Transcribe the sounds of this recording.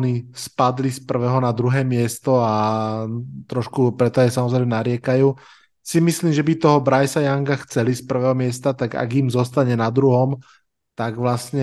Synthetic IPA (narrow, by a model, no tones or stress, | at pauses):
nispad̪lispr̩ʋɛːɦɔnad̪ɾuɦɛːmɪɛst̪ɔa | t̪ɾɔʃkupɾɛt̪ɔajsamɔzɾɛɪmɛnaɾɪɛkajuː | simisliːmʒɛbit̪ɔɦɔbɾajsajaŋkaxt͡sɛlispr̩ʋɛːɦɔmɪɛst̪at̪aɡa̰ɡimzɔst̪aɲɛnad̪ɾuɦɔm | t̪aɡʋlasɲɛ